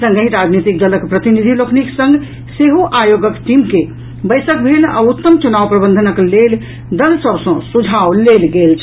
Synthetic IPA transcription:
sə̃ŋɡəɦĩɾad͡ʒnit̪ik̚d̪ələkpɾət̪inid̪ʱilokniksə̃ŋɡ | seɦoʔajoɡəkʈimke | bəjsək̚bʱela̰ut̪ːəmt͡ʃunawpɾəbə̃nd̪ʱənəklel | d̪əlsəbsə̃sud͡ʒʱawlelɡelt͡ʃʰ

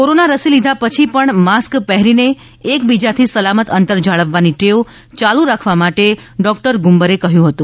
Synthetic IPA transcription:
koɾonaɾəsilid̪ʱapət͡ʃʰipəɳmaskpɛɦɾine | ek̚bid͡ʒat̪ʰisəlamət̪ənt̪əɾd͡ʒaɭəʋːaniʈeo | t͡ʃalũɾakʰʋamaʈeɖɔk̚ʈəɾɡumbəɾekəɦjũɦət̪ũ

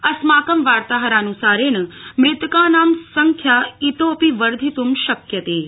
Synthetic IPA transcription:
ɐsmaːkəmʋaːɾt̪aɦəɾaːnusaːɾenəmɾɪt̪kaːnaːmsɐŋkʰjait̪oːpiʋəɾd̪ʱit̪umʃɐkjɐt̪eː

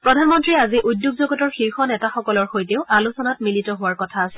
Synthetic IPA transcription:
pɹɔdʱanmɔntɹiaziʔudjoɡ̚zoɡɔtɔɹxiɹxɔnɛtaxɔkɔlɔɹxojteʊʔalusɔnatmilitɔɦʊwaɹkɔtʰaːsɛ

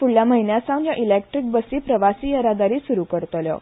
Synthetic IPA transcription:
fuɽljaməɦinjasãnjaʔilek̚ʈɾik̚bəsiːpɾəʋasiːjəɾad̪aɾiːsuɾukəɾt̪ljɔ̰

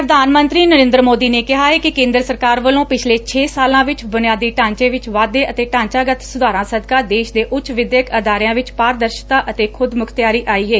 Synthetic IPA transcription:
pɾəd̪aːnmə̃nt̪ɾiːnəɾẽːnd̪ɾəmoːd̪iːneːkɪɦaːɛːkɪkẽːnd̪ɾəsəɾkaːɾʋəlõːpɪt͡ʃʰleːt͡ʃʰeːsaːlãːʋɪt͡ʃbʊnɪjaːd̪iːʈãːɲt͡ʃẽːʋɪt͡ʃʋaːd̪eːʔət̪eːʈãːɲt͡ʃaːɡət̪sʊd̪aːɾãːsəd̪kaːd̪eːʃd̪eːʔʊtːʃʋɪd̪jəkəd̪aːɾjãːʋɪt͡ʃpaːɾd̪əɾʃt̪aːʔət̪eːkʰʊd̪mʊkʰt̪jaːɾiːʔaːiːeː

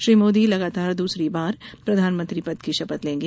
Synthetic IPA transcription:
ʃɾiːmoːd̪ilɐɡaːt̪aːɾd̪uːsɾibaːɾpɾɐd̪ʱaːnmə̃nt̪ɾipɐd̪kiʃɐpət̪lẽːŋɡe

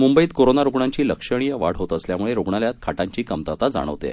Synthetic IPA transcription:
mumbəiːt̪koɾonaɾoɡɳaɲt͡ɕiːləkʂəɽ̃ijəʋa̰ɽ̤ɦot̪əsljamuɭeɾoɡɳaljat̪̚kʰaʈaɲt͡ɕiːkəmt̪at̪ad͡za̰ɽ̃ə̰ʋt̪ḛ

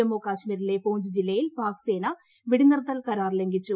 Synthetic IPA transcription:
ɐmoːkaːɕmiːɾile̞poːɲd͡ʑɨd͡ʑilːɐjilpaːkse̞ːnɐ | ʋiɽinɐrɐt̪ːɐlkɐɾaːrleŋɡit͡ɕːu

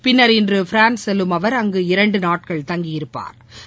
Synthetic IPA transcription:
pɪnːɐɾɪndrɯfɾaːnsɛlːɯmɐʋɐɾɐŋɡɯɪɾɐɳɖɯnaːʈ̚kɐɭt̪ɐŋɡɪjɪɾɯpːa̰ːɾ

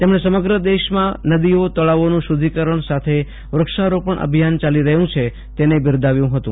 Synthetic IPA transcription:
t̪emɳesəməɡɾəd̪eʃmãnəd̪iot̪əɭaʋonũʃud̪ʱikəɾəɳsat̪ʰe | ʋɾəkʃaɾopəɳʔə̰bʱijant͡ʃaliɾəɦjũt͡ʃʰe | t̪enebɪɾd̪ʱaʋjũɦət̪ṵ̃

